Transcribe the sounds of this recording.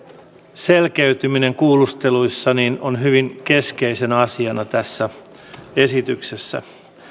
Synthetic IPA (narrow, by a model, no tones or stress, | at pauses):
se̞lkeyt̪ymineŋkuːlust̪e̞lujsːɑninonɦyʋiŋke̞ske̞ise̞næɑsiɑnɑt̪æsːæ | e̞sit̪ykse̞sːæ̰